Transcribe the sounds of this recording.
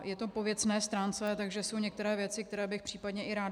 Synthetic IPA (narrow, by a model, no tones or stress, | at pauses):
jɛt̪opo̞vjɛt͡snɛːst̪ɾaːnt͡sɛt̪aɡʒɛso̞wɲɛk̚t̪ɛɾɛːvjɛt͡sɪk̚t̪ɛɾɛːbɪxpr̝̥iːpadɲɛʔɪɾaːd